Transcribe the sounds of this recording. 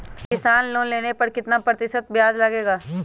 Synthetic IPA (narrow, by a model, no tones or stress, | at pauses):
kkɪsaːnloːnleːnepɐɾkɪt̪napɾət̪ɪʃət̪̚bjaːd͡ʒlɐɡeːɡaː